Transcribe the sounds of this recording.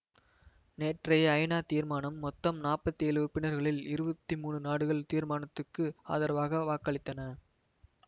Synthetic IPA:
neːʈrɐjɐjnaːt̪iːɾmaːnɐmːɔt̪ːɐmnaːrpɐt̪ːieːlɯʊɾpːɪnɐɾɣɐɭɪlɪɾɯbɐt̪ːimuːɳɯnaːɽɯɣɐɭt̪iːɾmaːɳɐt̪ːɯkːɯa̰ːðɐɾɐʋaːɣɐʋaːkːɐɭɪt̪ːɐnɐ

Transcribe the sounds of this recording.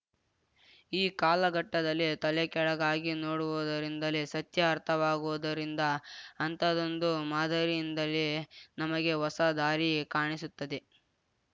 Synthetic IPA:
iːkaːlɐɡɐʈːɐd̪ɐlːit̪ɐlɛkɛɭɐɡaːɡinoːɽuʋud̪ɐɾind̪ɐlisɐt̪jɐːɾt̪ʰɐʋaːɡuʋud̪ɐɾind̪ɐːnt̪ɐd̪o̞nd̪umaːd̪ʱɐɾijind̪ɐlːinɐmɐɡe̞ɦɔsɐd̪aːɾikaːɳisut̪ːɐd̪e̞

